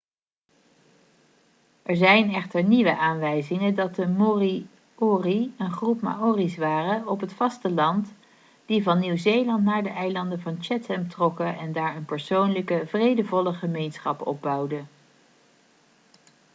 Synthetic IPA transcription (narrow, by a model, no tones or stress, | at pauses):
ʔɛɹzɛjnɛχtəɹniʋəʔaːnʋɛjzɪŋədɑt̚dəmori | oriənχrupma̰oːrisʋaːrəɔpɦətfɑstəlɑnt | d̥ivɑnːiwzejlɑnt̬naːɹdəʔɛjlɑndəvɑnt͡ʃɛtɛmtrɔkəɛndaːɹənpəɹsownləkəvrejdəvɔləχəmejnsχɑ̰pɔ̰b̚bɑwdə